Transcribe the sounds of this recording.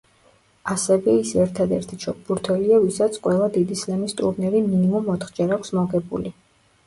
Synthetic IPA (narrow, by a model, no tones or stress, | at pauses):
asɛvɛisɛɾt̪ʰad̪ɛɾt̪ʰit͡ʃʰɔk̚ʰʼbuɾt̪ʰwɛliavisat̪sʰqʼwɛlˠad̪id̪islɛmist̪ʼṵɾnɛɾiminimumɔt̪χd͡ʒɛɾakʷʰsmɔɡɛbṵli